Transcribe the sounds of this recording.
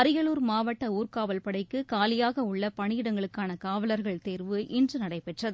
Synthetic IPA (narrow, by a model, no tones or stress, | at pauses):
ɐɾɪjɐluːɾmaːʋɐʈːɐuːrkaːʋɐlpɐɽɐɪkːɯkaːlɪjaːɣɐʊɭːɐpɐɳɪjɪɽɐŋɡɐɭɯkːaːnɐkaːʋɐlɐɾɣɐɭt̪eːɾʋɯʔɪndrɯnɐɽɐɪpɛʈrɐðɯ